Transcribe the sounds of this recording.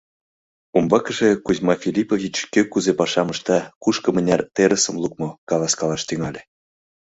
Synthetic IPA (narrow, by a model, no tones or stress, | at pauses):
umbɑkɤ̆ʒĕkuzʲmɑfʲilʲipovʲit͡ɕkʲøkːuzepɑʃɑmɤ̆ʃt̪ɑkuʃkɤ̆mɘ̆nʲɑrt̪eɾə̆sə̆mlˠuk̚mɤ̆kɑlˠɑskɑlˠɑʃt̪yŋɑlʲĕ